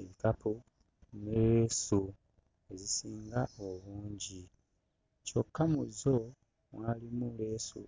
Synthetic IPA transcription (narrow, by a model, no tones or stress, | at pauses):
ŋkapu | neɾeːsu | e̞zisiːŋɡaoβuːɲɟi | cokʰːamuzo | mwalimule̞sṵ